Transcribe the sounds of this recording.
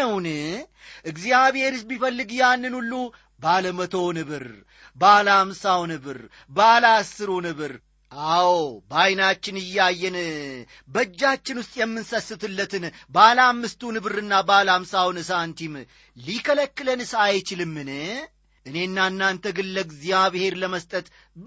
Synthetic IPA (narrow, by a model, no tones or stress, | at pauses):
əwn | ʔɨɡzijaβhe̞ɾɨsbifəlːɨɡjanːɨnulːu | baləmət̪ʰo̞nɨβɨɾ | balamsawnɨβɨɾ | balasːɨɾunɨβɨɾ | awbajnat͡ʃːɪnɨjːajːɛn | bəd͡ʒːat͡ʃːɪnwʊst̪ʼjɛmːɨnsəsːɨt̪ʰɨlːət̪ʰɨnbalamːɨst̪ʰunɨβɨɾɨnːabalamsawnɨs̬ant̪ʰim | likʰələkːɨlənɨsajt͡ʃɪlɨmːɨnɨ | ʔɨne̞nːanːant̪ʰəɡɨlːəɡzijabɨhe̞ɾləməst̪ʼət̪